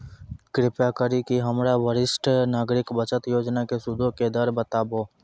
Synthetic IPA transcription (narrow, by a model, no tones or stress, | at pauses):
kɾɪpjakəɾikiɦəmɾaʋəɾɪsʈnaːɡɾɪkbət͡ʃət̪joːd͡ʒnakesʊd̪ʱõked̪əɾbət̪aːboː